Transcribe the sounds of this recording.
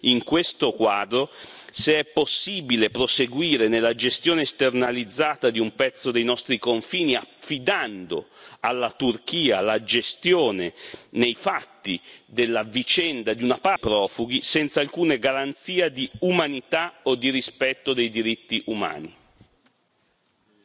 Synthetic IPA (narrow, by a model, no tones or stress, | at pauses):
iŋkwest̪okwaːd̪ɾoseɛpːosːiːbilepɾoseɡwiːɾenelːad͡ʒest̪jɔːnest̪ernalid̪zːaːt̪ad̪iumpɛt̪sːod̪ejnɔst̪ɾikoɱfiːniafːid̪and̪o̰alːat̪urk̟iːalad͡ʒest̪joɔːnenejfat̪ːid̪elːavit͡ʃɛnd̪ad̪iunapapɾɔːfuɡ̟isɛnt̪salkuːneɡaɾant̪siːad̪iumanit̪aod̪iɾispɛt̪ːod̪ejd̪iɾit̪ːiʔuma̰ːni